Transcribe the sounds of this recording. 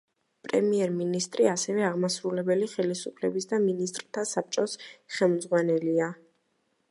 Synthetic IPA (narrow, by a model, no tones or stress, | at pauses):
pʼɾɛ̰miɛɾminist̪ʼɾiasɛvɛaʁmasɾulɛbɛliχɛlisupʰlɛbisd̪aminist̪ʼɾt̪ʰasap̚t͡ʃʼɔsχɛlˠmd̪zʁwanɛlia